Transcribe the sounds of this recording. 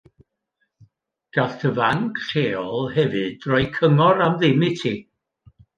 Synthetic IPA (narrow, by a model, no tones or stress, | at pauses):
ɡ̥atʰəvaŋkʰɬeːɔlˠhɛvɨd̥rɔɨkʰəŋɔɾamðɪmɪtʰiː